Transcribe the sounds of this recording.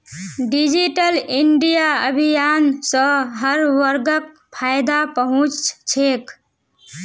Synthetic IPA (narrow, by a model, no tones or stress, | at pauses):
ɖid͡ʒiʈəliɳɖijaəbʱijansə̃ɦəɾʋəɾɡək̚ | pʰajd̪apəɦũt͡ʃt͡ʃʰek